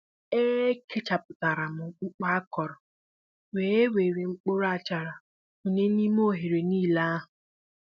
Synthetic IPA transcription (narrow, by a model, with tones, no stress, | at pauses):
e˦kʰe˦t͡ʃa˨pʊ˨ta˨ɾa˨mʊ˨k͡p̩˦k͡pa˦a˦kɔ˨ɾɔ˨ | weː˨˦e˦we˨ɾe˨ŋ͡m̩˦k͡po˦ɾa˦˨t͡ʃa˨ɾa˨ | mʊ˨ɲe˦ni˦m˦o˦ɦe˨ɾe˨niː˦˨la˦a˦ɦʊ˨